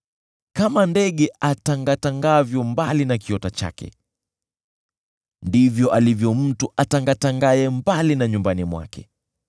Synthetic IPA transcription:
kamandɛɠɛataŋɡataŋɡavjɔmbalinakiɔtat͡ʃa̰kɛ̰ | ndivjɔʔalivjɔm̩tuʔataŋɡataŋɡaɛmbalinaɲumbanimwa̰kʰɛ̰

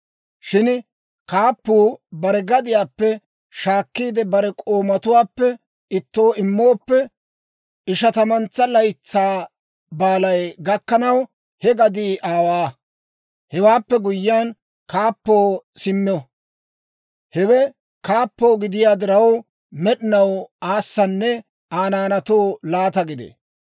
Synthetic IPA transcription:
ʃɪn | kaːpːuːbɐɾɛɡɐd̪ɪjaːpːɛ | ʃaːkːiːd̪ɛbɐɾɛkʼo̞ːmɐt̪ʊwaːpːɛ | ɪt̪ːo̞ːɪmːo̞ːpːɛ | ɪʃɐt̪ɐmɐnt͡sːɐlɐjt͡sːaː | baːlɐjɡɐkːɐnɐw | hɛɡɐd̪iːʔaːwaː | hɛwaːpːɛɡʊjːɪaːn | kaːpːoːsɪmːɪɔ | hɛwɛ | kaːpːo̞ːɡɪd̪ɪjaːd̪ɪɾɐw | mɛɗɪnɐwaːsːɐnːɛ | aːnaːnɐt̪oːlaːt̪ɐɡɪd̪ḛː

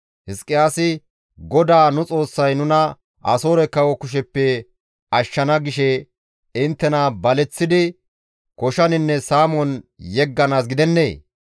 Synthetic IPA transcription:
hɪskʼːɪjaːsɪ | ɡɔd̪aːnʊt͡sʼo̞ːsːɐjnʊnɐ | ʔɐ̰so̞ːɾɛkːɐwɔkʊʃ̬ɛpːɛ | ɐʃːɐnɐɡɪʃɛ | ɪnt̪ːɛnɐbɐlɛt͡sːɪd̪ɪ | kɔʃɐnɪnːɛsaːmɔnjɛɡːɐnaːs̬ɡɪd̪ɛnːḛː

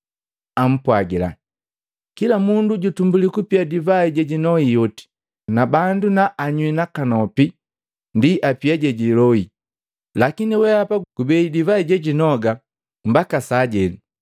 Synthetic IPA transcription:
am̩pwaɡila̰ | kilamunduɟutumbulikupiadivaiɟɛɟinɔijɔti̥ | nabandunaʔːɲwinakanɔpi | ndiʔapiaɟɛɟilɔi | lakiniwɛapaɡ̥ubɛidivaiɟɛɟinɔɡa | m̩bakasaːɟɛli

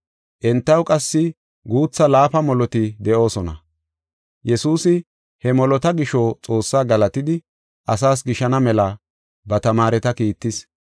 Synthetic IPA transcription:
ʔɛnt̪ːɐwkʼɐsːɪ | ɡuːt͡sːɐlaːfɐmɔlɔt̪ɪd̪ɛʔo̞ːsɔnɐ̰ | jɛsuːsɪ | hɛmɔlɔt̪ɐɡɪʃoːt͡sʼo̞ːsːaːɡɐlɐt̪ɪd̪ɪ | ʔɐs̬aːs̬ɡɪʃɐnɐmɛlɐ | bɐt̪ɐmaːɾɛt̪ɐkiːt̪ːɪs

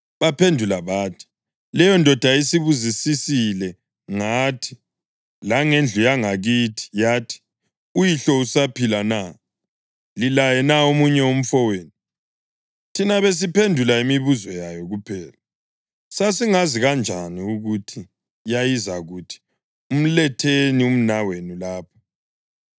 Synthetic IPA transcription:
βapʰendʱulaβaːtʰi̥ | lɛjɔndʱɔd̥ʱaisiβuzisisilɛ | ŋatʰi̥ | laŋend͡ɮʱujaŋaɣiːtʰi̥jaːtʰi̥ | ujiɬɔusapʰilana | lilajɛnaomuɲɛom̩fɔweːnu | tʰinaβes̬ipʰendʱulaimiβuzɔjajɔɣupʰɛːla | sasiŋaziɣand͡ʒʱaniuɣutʰi | jajizaɣuːtʰi̥ | um̩lɛtʰenium̩nawenulaːpʰḁ

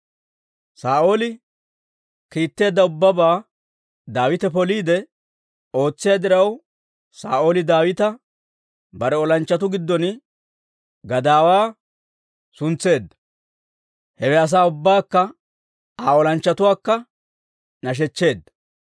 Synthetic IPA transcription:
saːʔo̞ːlɪ | kiːt̪ːe̞ːd̪ːɐʊbːɐbaː | d̪aːwɪt̪ɛpɔliːd̪ɛ | o̞ːt͡sːɪjad̪ɪɾɐw | saːʔo̞ːlɪd̪aːwɪt̪ɐ | bɐɾɛɔlɐnt͡ʃːɐt̪ʊɡɪd̪ːɔn | ɡɐd̪aːwaː | sʊnt͡sːe̞ːd̪ːɐ̥ | hɛwɛɐs̬aːʊbːaːkːɐ | aːɔlɐnt͡ʃːɐt̪ʊwaːkːɐ | nɐʃ̬ɛt͡ʃːe̞ːd̪ːɐ̥

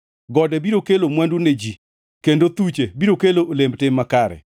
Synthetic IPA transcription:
ɡɔdɛbiɾokelomwanduned͡ʒi | kendot̪ut͡ʃebiɾokeloʔolemtɪmːakaɾɛ̰

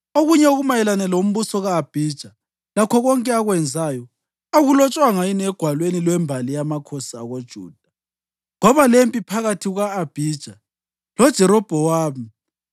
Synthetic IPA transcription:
oɣuɲɛoɣumajɛlanɛlom̩βusɔɣaːb̥ʱid̥ʒ̥ʱa | lakʰɔɣɔŋkʼɛaɣwɛnd͡zʱajɔ | oɣulɔt͡ʃʼwaŋajinɛɡ̥ʱwalwenilwɛmbʱalijamakʰɔsaɣod̥ʒ̥ʱṵːd̥ʱḁ | ŋɔβalempʼipʰaɣatʰiɣaːb̥ʱid̥ʒ̥ʱa | lɔd̥ʒ̥ʱɛɾɔb̥ʱɔwaːmi

